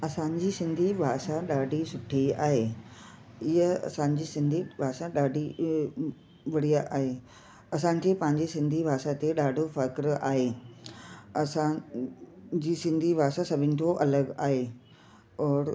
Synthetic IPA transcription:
ɐsãɲd͡ʑiːsɪ̃nd̪ʱibʱaːʃaɗaːɖʱisʊʈʰia̰ːɦeː | ɪɦəɐ̰sãɲ̆d͡ʑiːsɪ̃nd̪ʱibʱaːsaɗaːɖʱi | ʋɐɽijaʔaːɦeː | ɐsãɲkepɐ̃ɦɪ̃ɲd͡ʑisɪ̃nd̪ʱibʱaːʃat̪eɗaːɖʱofɐkɾaːɦeː | ɐsã | d͡ʑiːsɪ̃nd̪ʱibʱaːʃasɐbʱɪnɪ̆t̪ʰoʔɐləɡaːɦe | ɔːɾ

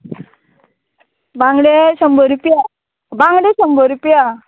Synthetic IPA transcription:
baŋɡɽeɕəmbəɾupja | bãŋɡɽeɕəmbəɾupja

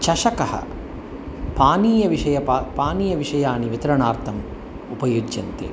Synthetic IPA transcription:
t͡ʃɐʃɐkɐhɐ̰ | paːniːjɐʋiʂɐjɐpːpaːniːjɐʋiʂɐjaːniʋit̪ɐɾɐɳaːɾt̪ʰɐm | upɐjoːd͡ʒːɐnt̪ḛː

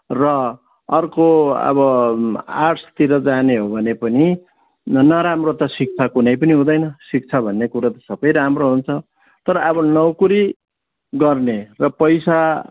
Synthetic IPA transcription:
rʌ | ʌrkoʌ̰βʌ | aʈʰt̪iɾʌd͡zaneɦobʱʌnepʌni | nʌɾamrot̪ʌsik̚t͡sʰakunʌjpʌniɦũd̪ʌjnʌsik̚t͡sʰabʱʌnːekuɾat̪ʌ̥sʌbʌjɾamroɦunt͡sʰʌ | t̪ʌɾʌʌβʌnʌwkuɾi | ɡʌrnerʌpʌjsa

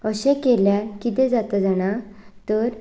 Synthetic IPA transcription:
əɕɛ̃keljãkit̪ɛ̃d͡zat̪əd͡zaɽ̃at̪əɾ

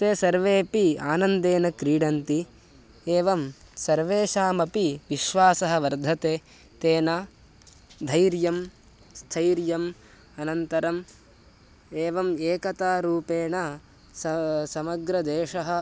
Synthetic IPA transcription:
t̪eːsɐɾʋeːpiaːnɐnd̪eːnɐkɾiːɽɐnt̪i | eːʋɐmsɐɾʋeːʃaːmɐpiʋiʃʋaːsɐɦɐ̆ʋɐɾd̪ʱɐt̪eː | t̪eːna | d̪ʱɐjɾjɐm | st̪ʰɐjɾjɐm | ɐnɐnt̪ɐɾɐm | eːʋɐmeːkɐt̪aːɾuːpeːnɐ | sɐsɐmɐɡɾɐd̪eːʂɐɦɐ̆

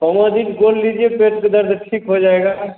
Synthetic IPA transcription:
kɔmad̪ikɡoːlliːd͡ʒiepeːʈked̪ɐɾd̪ʈʰiːkɦod͡ʒaːeːɡa

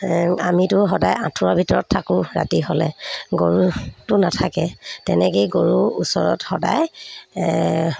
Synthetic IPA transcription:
amitʊxɔdajãtʰʊɹabʱitɔɹɔtʰːakʊ̃ɹa̰tiɦɔlɛɡoɹutʊnatʰakɛtɛnɛkejɡoɹuusɔɹɔ̰txɔda̰j

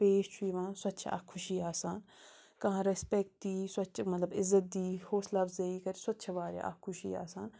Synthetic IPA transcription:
peːʃt͡ʃʰuiʋãːswɐt̪ːt͡ʃʰa̰kkʰːʊʃiːaːsaːn | kɐɦãːɾɛspɛk̚ʈ̚d̪iːswɐtːt͡ʃʰmɐt̪lɐbɪzːət̪̚d̪iːhoːslaːbzɐiːkɐɾisɐt̪ːʃʰɐbaːɾḛa̰kʰːʊʃiːa̰ːsaːn

